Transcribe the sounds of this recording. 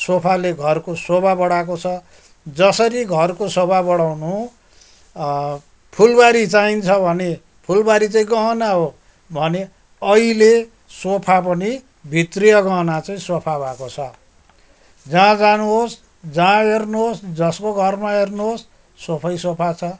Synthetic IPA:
sopʰaleɡʱʌrkosobʱabʌɽak̬ot͡sʰʌ | d͡zʌsʌɾiɡʱʌrkosobabʌɽawnu | pʰulbaɾit͡saint͡sʰʌbʱʌne | pʰulbaɾit͡saĩɡʌɦʌnaɦo | bʱʌne | ʌile | sopʰap̬ʌni | bʱit̪rijʌɡʌɦnat͡saĩsopʰabʱakot͡sʰʌ | d͡zãd͡zanuɦos | d͡zãernuɦosd͡zʌskoɡʱʌrmaernuɦosː | opʰʌjsopʰat͡sʰʌ

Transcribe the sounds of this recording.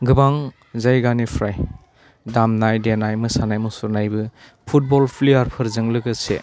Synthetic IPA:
ɡɯbaŋ | zajɡanipʰɾaj | damnajdenajmɯsanajmɯsuɾnajbɯ | pʰut̚bɔlpʰlijaɾpʰɯɾzɯŋlɯɡɯsḛ

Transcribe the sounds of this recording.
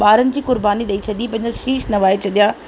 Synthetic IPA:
ɓaːɾənɪ̆d͡ʑiːkʊɾbaːniɗɐit͡ɕʰɐd̪iːpɐ̃ɦɪ̃ɲd͡ʑɐʃiːʃnɐʋaːet͡ɕʰɐɗ̪ijaː

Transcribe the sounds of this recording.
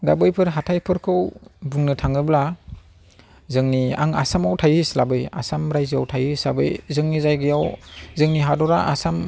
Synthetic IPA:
dabɯjpʰɯɾɦatʰajpʰɯɾkʰɯwbuŋnɯtʰaŋɯbla | zɯŋnia̰ŋa̰samawtʰajɯslabɯja̰samɾajziawtʰajɯslabɯjzɯŋnizajɡɯjawzɯŋniɦadɔɾaʔasam

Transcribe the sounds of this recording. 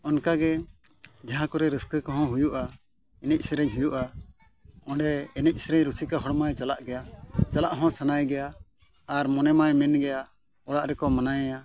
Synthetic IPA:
ɔnkaɡɛ | d͡ʒaɦãkɔɾɛɾəskəkɔɦɔ̃ɦujuʔa | ɛnɛc̚ˀsɾɛɲɦujuʔa | ɔ̃ɖɛɛnɛc̚ˀsɾɛɲɾusikaɦɔɽmajt͡ʃalaʔɡɛjat͡ʃalaʔɦɔ̃sanajɡɛjaː | ɾmɔnɛmajmɛnɡɛja | ɔɽaʔɾɛkɔmanajɛja

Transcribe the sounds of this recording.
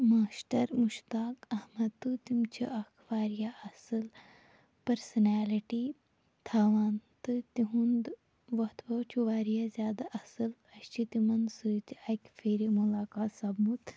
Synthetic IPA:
maːsʈɐɾmuʃt̪aːkɐhmɐd̪̚t̪ːut̪imt͡ʃʰiʔɐkʰʋaːɾijaʔɐsɨl | pɐɾsɐnaːliʈi | t̪ʰaːʋaːnt̪ɨt̪iɦund̪ | ʋɐt̪ʰʋɐt͡ʃʰuʋaːɾijazʲjaːd̪aʔɐsɨl | ɐʃt͡ʃʰit̪imɐnsɨt̪ʲakʲfeːɾimulaːkaːt̪sɐbmut̪

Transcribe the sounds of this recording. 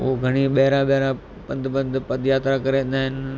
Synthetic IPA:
oɡʱɐɽ̃iɓɐɦɪɾaɓɐɦɾa | pɐ̃nd̪bə̃nd̪pɐd̪jaːt̪ɾakɐɾẽnd̪aːɦɪnɪ

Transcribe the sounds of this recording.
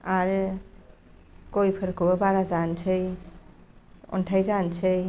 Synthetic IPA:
aɾ | kojpʰəɾkobaɾad͡ʒant͡ʃʰəj | ɔ̰nʈʰajd͡ʒant͡ʃʰəj

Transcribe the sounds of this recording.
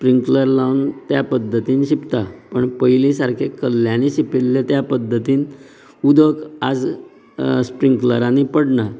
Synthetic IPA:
spɾiŋkləɾlaʋnt̪japəd̪ʱːət̪iːnɕipt̪apəɳpəjlisaɾkʰekəlːjãniɕipilːet̪japəd̪ʱːət̪iːn | ud̪əka̰d͡z | spɾiŋkləɾanipəɽɳa

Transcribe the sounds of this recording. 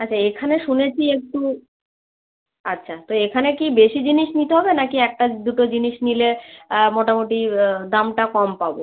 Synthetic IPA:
atːɕʰaekʰaneʃunet͡ɕʰiek̚ʈu | atːɕʰat̪oekʰanekibeʃid͡ʑiniʃnit̪eɦɔbenakiɛk̚ʈad̪uʈod͡ʑiniʃnilemɔʈamoʈid̪amʈakɔmpabo

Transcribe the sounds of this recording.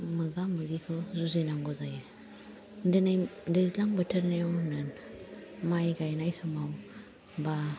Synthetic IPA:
mɯɡamɯɡikʰɯzuzenaŋɡɔzajɯ | dɯnadəzlaŋbətʰəɾnewnɯn | majɡajnajsɔmaw | ba

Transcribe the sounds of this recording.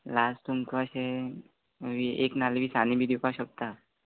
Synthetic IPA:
lasʈumkʋaʃe | ʋiḛknalbʱisanibʱid̪ukaʃək̚t̪a

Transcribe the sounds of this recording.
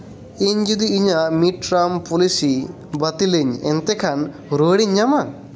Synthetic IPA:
eɲd͡ʒid̪iːɲamiʈɾampulisi | bɐt̪ileɲḛnt̪ekʰan | ɾoːɽiɲd͡ʒama

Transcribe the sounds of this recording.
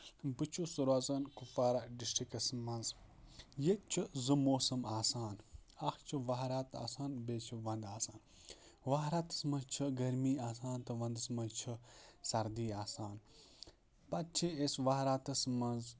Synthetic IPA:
bɨt͡ʃʰusuɾazɐnkufaːɾaɖisʈikɐsmɐnzjet͡ʃʰɨzɨmoːsɐmaːsaːnɐxt͡ʃʰɨʋɐɦɾaːt̪a̰ːsaːnbeːt͡ʃʰiʋɐnd̪aːsaːn | ʋaɦɾat̪ɐ̥smɐzt͡ʃʰɨɡɐɾmiːaːs̬aːnt̪ɐʋɐnd̪ɨsmɐzt͡ʃʰɨsɐɾd̪iːaːsaːn | pɐt̪̚t͡ʃʰiesʋaɦɾaːt̪ɐsmɐnz

